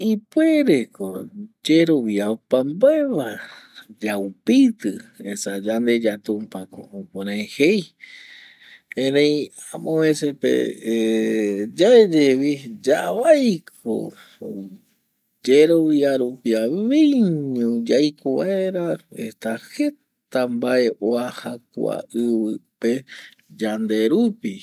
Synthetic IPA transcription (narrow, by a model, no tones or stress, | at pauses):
ipweɾekod͡ʒeɾoβiapambaeβad͡ʒawpit̪ɨesad͡ʒand̪e̞d͡ʒat̪umpako̰upoɾẽhej | ẽnejamõesepḛe | d͡ʒaed͡ʒeβid͡ʒaβajkʰo̰ | d͡ʒeɾoβiaɾupiaβĩɲũd͡ʒajkoβaeɾaḛt̪ahe̞ | t̪ambaʔe̞ʔoahak̚ʷa̰ʔɨβɨpe | d͡ʒand̪e̞ɾupi